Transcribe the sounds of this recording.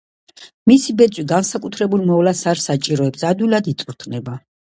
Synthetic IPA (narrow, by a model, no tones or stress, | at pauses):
misibɛt̪sʼwiɡansakʼut̪ʰɾɛbulˠmɔvlasaɾsat͡ʃʼiɾɔɛbsad̪wilad̪it̪sʼuɾt̪ʰnɛba